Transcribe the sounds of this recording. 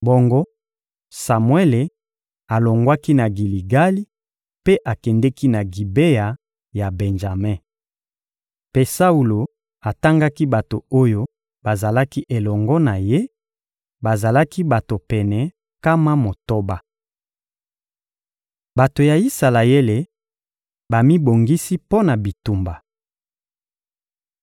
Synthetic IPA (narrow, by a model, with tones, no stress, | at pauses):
bɔ˦ŋɡɔ˦ | sa˨mwe˦le˨ | a˨lo˨ŋɡwa˦ki˦na˨ɡi˨li˨ɡa˦li˦ | pe˦ʔa˨kɛ˨ndɛ˦ki˦na˨ɡi˨be˦ja˨ | ja˨bɛ˨nʒa˨mɛ˦ | pe˦sa˦u˨lo˨ | a˨ta˦ŋɡa˦ki˦ba˨to˨o˦jo˦ | ba˨za˨la˦ki˦ʔe˨lɔ˨ŋɡɔ˦na˨je˦ | ba˨za˨la˦ki˦ba˨to˨pɛ˨nɛ˨ | ka˦ma˦mo˨to˦ba˦ | ba˨to˨ja˨i˦sa˨la˨e˦le˨ | ba˨mi˦bo˨ŋɡi˦si˦po˦na˨bi˨tu˨mba˨